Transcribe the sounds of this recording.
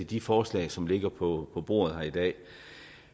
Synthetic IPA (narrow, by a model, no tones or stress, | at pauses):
ed̥ifɒːslɛ̰ːɪsɒ̽mle̝ɡ̥ɐpʰɒ̽pʰɒ̽b̥o̝̰ːɐð̞ˠhæɐid̥ɛ̰ː